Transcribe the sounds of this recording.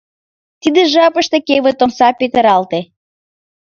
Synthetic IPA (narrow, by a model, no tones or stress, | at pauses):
t̪id̪eʒɑpə̆ʃt̪ekeβət̪onsɑpet̪ə̆ɾɑlt̪e